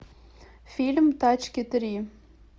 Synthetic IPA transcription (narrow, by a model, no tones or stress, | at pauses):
filʲmt̪at͡ʃkʲet̪ɪɾi